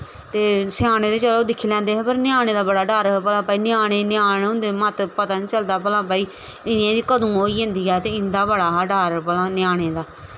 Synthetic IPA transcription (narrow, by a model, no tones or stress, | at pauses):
t̪eːsɪaːɽ̃eːd̪eːt͡ʃəloːd̪ɪkʰːiːlɛ̃ːnd̪eːɦɛːpəɾnɪjaːɳ̃eːd̪aːbəɽaːɖəɾpəlãːpaːiːnɪjaːɽ̃eːnɪjaːnːɦʊ̃nd̪eːmət̪pət̪aːnĩːt͡ʃəld̪aːpəlãːpaːiː | ɪnãːd̪iːkəd̪ũːɦoːiːɦʊ̃nd̪iːɛːt̪eːɪnd̪aːbəɽaːɖaɾpəlãːnɪjaːɽ̃eːd̪aː